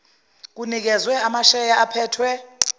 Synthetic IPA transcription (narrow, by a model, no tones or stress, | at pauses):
k̬unik̬ɛzwɛamaʃɛjaapʰɛːtʰwɛ